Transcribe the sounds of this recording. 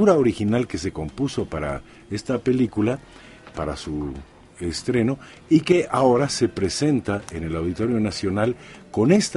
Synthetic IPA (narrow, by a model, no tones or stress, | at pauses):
uɾaoɾixinalke̞s̬e̞ko̞mpuso̞paɾa̰ | e̞st̪ape̞likula | paɾa̰su | est̪ɾe̞no̞ | ike̞ʔao̞ɾase̞pɾe̞se̞nt̪ae̞ne̞lawðit̪o̞ɾjo̞nasjo̞nalko̞ne̞st̪